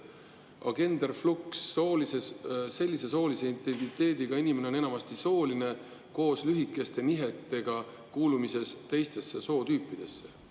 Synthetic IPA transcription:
ɑ̰ɡ̥e̞nd̪̥erfluksːo̞ːlisese̞lʲːise̞so̞ːlise̞int̪ˑe̞nt̪it̪ːe̞ːd̪̥iɡ̥ɑinime̞ne̞o̞ne̞nɑmɑst̪iso̞ːline | ko̞ːslyɦikːˑe̞st̪e̞niɦet̪ːˑe̞ɡ̥ɑ | kuːlumise̞st̪e̞jst̪e̞sːe̞so̞ːt̪yːpːˑid̪̥e̞sːe̞̥

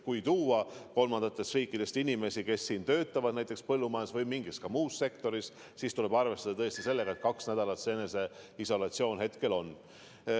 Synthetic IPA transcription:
kujt̪uːwɑko̞lmɑnd̪ɑt̪ːˑe̞st̪riːkːˑid̪̥e̞st̪inʲime̞sike̞sːiːnt̪ø̞ːt̪ˑːɑvɑd̪næjt̪ːˑe̞kspɤlːumɑesvɤjmiŋɡiskɑmuːsse̞kt̪o̞ɾis | sist̪ule̞b̥ɑrve̞st̪ɑd̪ɑt̪ɤest̪ise̞lːe̞ɡ̥ɑe̞t̪̚kɑksnæd̪̥ɑlɑt̪seene̞se̞iso̞lɑt̪sio̞ːnɦe̞t̪ke̞lo̞n

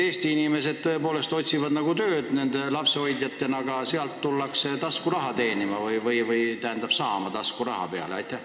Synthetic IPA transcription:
e̞ːst̪iinime̞se̞d̪̥̚t̪øje̞po̞ːle̞st̪o̞t̪ʲsivɑd̪nɑɡut̪ø̞ːd̪̥ne̞nd̪e̞lɑpseojd̪jɑt̪ːe̞nɑɡ̥ɑseɑlt̪ːulːɑkset̪ɑskurɑɦɑt̪e̞ːnimɑvɯjvɯjvɯjt̪æhænd̪ɑb̥sɑːmɑt̪ɑskuɾrɑhɑ̰pe̞ɑ̰leɑ̰jt̪ːˑæh

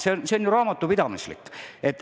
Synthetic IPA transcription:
seonseonjuɾɑːmɑt̪ːˑupid̪ɑmislḭkːet̪ːˑ

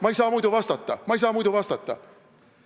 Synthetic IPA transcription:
mɑejsɑːmujd̪uvɑst̪ɑt̪ːˑɑmɑejs̬ɑːmujd̪uvɑst̪ɑt̪ːˑɑ̰

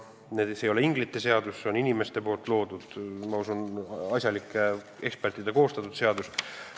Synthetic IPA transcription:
ned̪sejo̞leiŋɡlit̪ˑːe̞se̞ɑd̪usːeo̞ninime̞st̪e̞po̞ːlt̪ːˑlo̞ːd̪ud̪̥mɑusunɑsʲjɑlikːˑe | e̞kspert̪id̪̥eko̞ːst̪ɑt̪ːˑud̪se̞ɑd̪us

